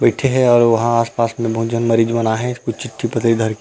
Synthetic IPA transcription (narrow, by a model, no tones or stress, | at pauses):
bɐɪʈʰeɦɛɔːɾʋɐɦãaːspaːsmẽbʱõːd͡ʒənmɐɾiːd͡ʒmɐnaɦɛ̃kʊt͡ʃʰt͡ʃɪʈʰːipɐt̪lid̪ʱɐɾk